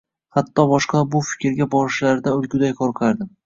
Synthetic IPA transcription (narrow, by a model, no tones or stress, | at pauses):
hat̪ʰːɒbɒʃqɑbʊfɪ̥kʲɾɡʲabɒɾɪʃlaɾd̪aʊlˠɡʲʊd̪ajkʰɒɾqʰaɾd̪ɪ